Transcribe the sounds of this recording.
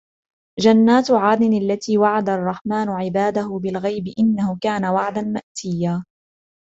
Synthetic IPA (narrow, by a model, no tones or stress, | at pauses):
d͡ʒanːaːt̪ʕaːd̪ɪnalːat̪iːwaʕad̪arˤːɑħmaːnʕɪbaːd̪ahʊbɪlɣajbɪʔɪnːahʊkaːnawaʕd̪anmaʔt̪ɪjːaː